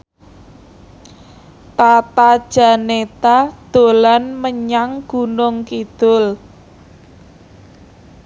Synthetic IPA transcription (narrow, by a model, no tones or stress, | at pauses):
t̪at̪ad̥ʒ̥a̤net̪ad̪̥o̤lanməɲaŋɡ̥ṳnʊŋkid̪̥ʊ̤l